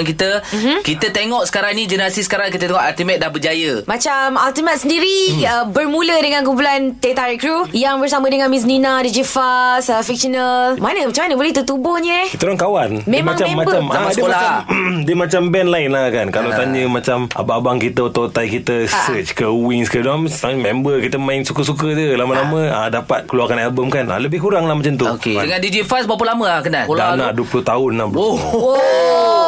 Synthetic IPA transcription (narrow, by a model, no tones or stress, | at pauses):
nkit̪əkit̪ət̪eŋɔʔsə̥kaɾaŋnid͡ʒənəɾasisə̥kaɾaŋkit̪ət̪eŋɔʔalt̪imɛ̃t̪̚dahbəd͡ʒajəmat͡ʃamalt̪imɛt̪̚səndiɾiəbərmulədəŋank̬ump̬ulant̪et̪aɾikɾujaŋbərsamə̃dəŋanmis̬ninadid͡ʒifaslfik̚ʃənəlmanəmat͡ʃamanəbolɛt̪ət̪ubʊhɲəkit̪əɾaŋkawanmemmaŋt͡ʃaemabt͡ʃamaaədəoaadəmat͡ʃambɛnlaɪnlakankalat̪aɲəmat͡ʃamʔa̰baːbaŋkit̪əut̪ot̪ajkit̪əsət͡ʃkəwiŋskədmaŋt̚mɛmbəkit̪əmãɪŋsukəsukət̪əlamalamə̃a̰dapat̪̚kəluarkanɛlbəmkanʔa̰ləbɪhkuɾaŋlahmat͡ʃamt̪uokeadəŋandid͡ʒifasbap̬ulamə̃akənadanaʔduəpulut̪aʊnaoo